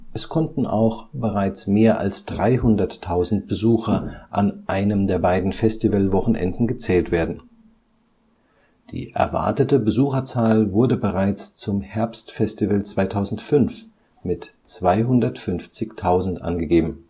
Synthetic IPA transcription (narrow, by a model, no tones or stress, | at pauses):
ʔɛskʰɔntn̩ʔa̰ʊxb̥əʁaɪt͡smeːɐʔa̰lsd̥ʁaɪɦʊndɐtʰːaʊzn̩t̚b̥əzuːxɐʔa̰nʔaɪnəmdeːɐbaɪdn̩fɛstivəlvɔχn̩ʔɛ̰ndn̩ɡət͡sɛːltv̥eːɐdn̩ | d̥ḭːʔɛ̰ɐva̰ɐtətəbəzuːxɐt͡saːlvʊɐdəbəʁaɪt͡st͡sʊmhɛɐpstfɛstivəlt͡sv̥aɪtʰaʊzn̩tfʏnf | mɪtt͡sv̥aɪɦʊndɐtfʏnft͡sɪçtʰaʊzn̩tʔa̰nɡəɡeːbm̩